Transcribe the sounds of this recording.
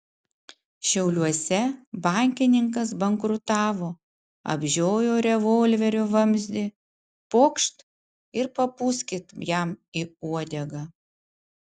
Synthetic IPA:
ʃʲɛʊlʲuɔsʲɛbɑˑŋʲkʲɪnʲɪŋkɐs̬bɐŋkɾʊt̪ɑːʋoː | ɐ̰bʲʒʲoːjoːɾʲɛʋoːlʲʋʲɛɾʲʊʋɐmʲzʲd̪ʲɪ | poːkʃt̪ | ɪɾpɐpʊsʲkʲɪt̪jɛmiːuɔd̪ʲɛɡɑː

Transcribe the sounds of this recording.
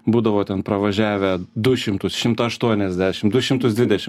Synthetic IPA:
buːd̪ɐʋoːt̪ʲɛnpɾɐʋɐʒʲæːʋʲɛd̪ʊʃʲɪmt̪ʊsʃʲɪmt̪ɐɐʃt̪uɔnʲɛzʲd̪ʲæːʃʲɪmd̪ʊʃʲɪmt̪ʊsd̪ʲʋʲɪd̪ʲɛʃʲɪm

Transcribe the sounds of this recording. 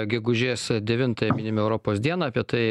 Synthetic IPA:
ɡʲɛɡʊʒʲeːsd̪ʲɛʋʲɪnt̪ɐjɛmʲɪnʲɪmʲɛʊɾoːpoːsd̪ʲiɛnɐːpʲiɛt̪ɐɪ

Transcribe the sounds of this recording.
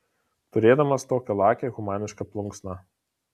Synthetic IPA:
t̪ʊɾʲeːd̪ɐmɐst̪oːkʲɛlˠɑːkʲɛɣʊmɑːnʲɪʃkɐplˠʊŋksnɑ

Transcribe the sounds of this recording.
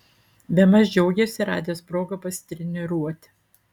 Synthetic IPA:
bʲɛmɐzʲd͡ʒʲɛʊɡʲɛsʲɪɾɑ̰ːd̪ʲɪjoːspɾoːɡɐpɐsʲt̪ʲɾʲɛnʲɪɾuɔt̪ʲɪ̥

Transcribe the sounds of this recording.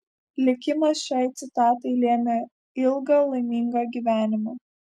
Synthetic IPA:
lʲɪkʲɪmɐsʃʲɛɪt̪sʲɪt̪ɑːt̪ɐɪlʲeːmʲe | ɪlˠɡɐlˠɐɪmʲiːŋɡɐɡʲiʋʲæːnʲɪmoː

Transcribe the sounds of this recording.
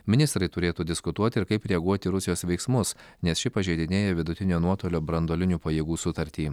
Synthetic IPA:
mʲɪnʲɪst̪ɾɐɪt̪ʊɾʲeːt̪uːd̪ʲɪskʊt̪uɔt̪ʲɪɪɾkɐɪpɾʲɛɡuɔt̪ʲɪɾʊsʲɪjoːsʋʲɛɪksmʊsnʲɛsʃʲɪpɐʒʲɛɪd̪ʲɪnʲeːjɛʋʲɪd̪ʊt̪ʲɪnʲoːnuɔt̪oːlʲoːbɾɐnd̪oːlʲɪnʲuːpɐjeːɡuːsʊt̪ɐɾʲt̪ʲiː

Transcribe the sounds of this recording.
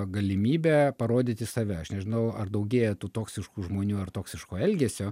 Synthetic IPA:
ɡɐlʲɪmʲiːbʲɛːpɐɾoːd̪ʲɪt̪ʲɪsɐʋʲɛɐʃnʲɛʒʲɪnɐʊɐrd̪ɐʊɡʲeːjɛt̪uːt̪oːksʲɪʃkuːʒmoːnʲuːɐrt̪oːksʲɪʃkoːɛlʲɡʲeːsʲoː

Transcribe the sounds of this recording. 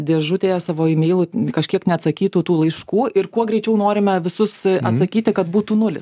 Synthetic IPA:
d̪ʲeːʒʊt̪ʲeːjosɑːʋoːɪmʲeːlˠukɐʃʲkʲiɛknʲɛɐt̪sɐkʲiːt̪uːt̪uːlˠɐɪʃkuːʔɪɾkuɔɡɾʲɛɪt͡ʃʲɛʊnoːɾʲɪmʲɛʋʲɪsʊsɐ̰t̪sɐkʲiːt̪ʲɪkɐt̪buːt̪uːnʊlʲɪs

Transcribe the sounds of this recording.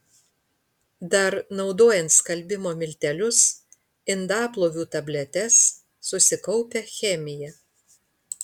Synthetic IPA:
d̪ɐɾnɒʊd̪oːjɛnt̪skɐlʲbʲɪmoːmʲɪlʲt̪ʲɛlʲʊs | ɪnd̪ɑːplˠoːʋʲuːt̪ɐbʲlʲɛt̪ʲɛsː | ʊsʲɪkɔʊpʲɛxʲɛmʲɪjɛ

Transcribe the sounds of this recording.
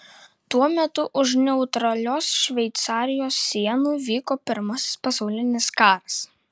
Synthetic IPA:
t̪uɔmʲɛt̪ʊʔʊʃnʲɛʊt̪ɾɐlʲoːsʃʲʋʲɛɪt̪sɑːɾʲɪjoːsːʲiɛnuːʋʲiːkoːpʲɪɾmɐsʲɪ̥spɐsɑʊlʲɪnʲɪskɑːɾɐs

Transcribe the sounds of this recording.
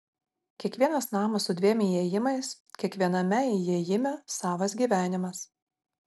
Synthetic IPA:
kʲiɛkʋʲiɛnɐsnɑːmɐssʊd̪ʲʋʲiɛmʲɪeːjɪmɐɪs | kʲiɛkʋʲiɛnɐmʲɛɪjeːjɪmʲɛsɑːʋɐs̬ɡʲiːʋʲæːnʲɪmɐs

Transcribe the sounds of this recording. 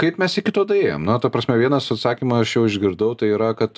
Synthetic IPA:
kɐɪpmʲɛsɪkʲɪt̪oːd̪ɐeːjo̰mnɐt̪ɐpɾɐsʲmʲɛʋʲiɛnɐsɐt̪sɑːkʲimɐɐʃjɛʊɪʒʲɡʲɪɾd̪ɐʊt̪ɐɪiːɾɐkɐt̪

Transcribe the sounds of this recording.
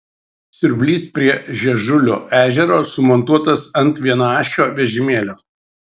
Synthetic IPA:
sʲʊɾʲbʲlʲiːspʲɾʲiɛʒʲɛʒʊlʲo̰ːʔæːʒʲɛɾoːsʊmɔnt̪uɔt̪ɐsɐnˑt̪ʋʲiɛnɐɑːʃʲoːʋʲɛʒʲɪmʲeːlʲoː

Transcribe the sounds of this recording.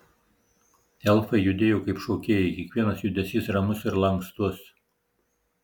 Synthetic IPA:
ɛlˠfɐɪjʊd̪ʲeːjoːkɐɪpʃoʊkʲeːjɛkʲiɛkʋʲiɛnɐsjʊd̪ʲɛsʲisɾɐmʊsɪɾlˠɐŋkst̪ʊs

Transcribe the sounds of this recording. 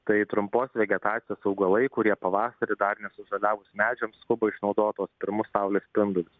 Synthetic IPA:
t̪ɐɪt̪ɾʊmpoːsʲʋʲɛɡʲɛt̪ɑːt͡s̪ʲɪjoːsɐʊɡɐlˠɐɪkʊɾʲiɛpɐʋɑːsɐɾʲɪd̪ɐrnʲɛsʊʒɐlʲæːʋʊsmʲæːd͡ʒʲɛmskʊbɐɪʃnɒʊd̪oːt̪oːspʲɪɾmʊsɐʊlʲeːsʲpʲɪnd̪ʊlʲʊs

